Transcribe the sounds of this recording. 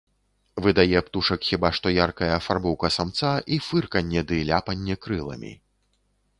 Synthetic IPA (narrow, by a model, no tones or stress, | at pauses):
vɨd̪ajɛpt̪uʂɐkxʲibaʂt̪ɔjarkɐjɐfarbɔwkɐsamt̪saʔifɨrkɐnʲːɛd̪ɨlʲapɐnʲːɛkɾɨlˠɐ̰mʲḭ